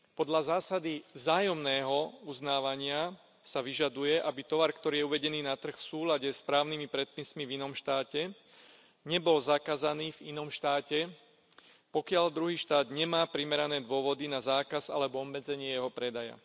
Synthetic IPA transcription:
pɔd̪ʎazaːsad̪ivzaːjɔmnɛːɦɔuznaːʋaɲɪa | saʋiʒad̪ujɛʔabit̪ɔʋaɾkt̪ɔɾiːjɛuʋɛɟɛniːnat̪r̩xfsuːlaɟɛspɾaːʊnimipɾɛt̪̚pismivinɔmʃt̪aːcɛ | ɲɛbɔlzakazaniːvinɔmʃt̪aːcɛ | pɔkɪaʎd̪ɾuɦiːʃt̪aːd̪ɲɛmaːpɾimɛɾanɛːd̪ʊɔʋɔd̪inazaːkaza̰lɛbɔɔbːɛd͡zɛɲɪɛjɛɦɔpɾɛd̪aja̰

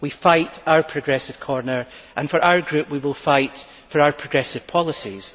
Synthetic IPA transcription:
wifaɪʔaʊə˞pʰɹ̥ɨɡɹɛsɪv̥kʰɔɹnə˞ʔə̃nfə˞ʔaʊə˞ɡɹʉpwiwɪlˠfaɪʔ | fə˞aʊə˞pʰɹ̥əɡɹɛsɪv̥pʰɔlˠɪsiz̥

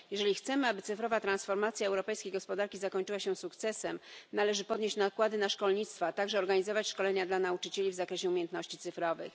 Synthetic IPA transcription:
jɛʐɛlʲixt̪sɛmɘabɘt̪sɘfɾɔvat̪ɾansfɔɾmat̪sʲjaɛwɾɔpɛjskʲejɡɔspɔd̪aɾkʲizakɔɲt͡ʂɘwaɕɛ̃sukt̪sɛsɛmnalɛʐɘpɔd̪ɲeɕt͡ɕnakwad̪ɘnaʂkɔlɲit̪st̪fat̪aɡʐɛɔɾɡaɲizɔvat͡ɕʂkɔlɛɲad̪lanaut͡ʂɘt͡ɕelʲivzakɾɛɕɛumʲjɛnt̪nɔɕt͡ɕit̪sɘfɾɔvɘ̰x

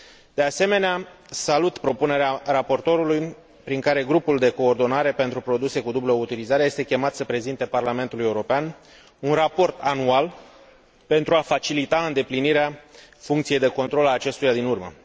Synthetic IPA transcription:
d̪̥e̞ase̞me̞neasalut̪pɾo̞pune̞ɾearapo̞rt̪o̞ɾuluj | pɾiŋkaɾe̞ɡɾupuld̪e̞ko̞ːrd̪o̞naɾe̞pe̞nt̪ɾupɾo̞d̪use̞kud̪ublout̪ilizaɾeje̞st̪ekʲe̞mat̪səpɾe̞zint̪e̞parlame̞nt̪uluje̞uɾo̞pean | unrapo̞rt̪anual | pe̞nt̪ɾuafat͡ʃilit̪aɨnd̪e̞pliniɾeafuŋkt̪sije̞jd̪e̞ko̞nt̪ɾo̞laːt͡ʃe̞st̪ujad̪inurmə̰

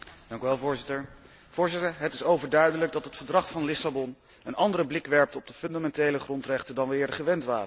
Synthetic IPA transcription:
d̥ɑŋkyʋɛlˠvʊːɹzɪtəɹ | v̥ʊːɹzɪtəɹɦətɪsowvəɹdœɥdələɡ̚dɑtɦətfəɹdrɑχfɑnlɪsabɔn | ənɑndərəblɪkʋɛɹp̚təɔb̚dəfɵndamɛntejləχrɔntrɛχtəndɑnʋəɪːɹdəχəʋɛntʋaːrə

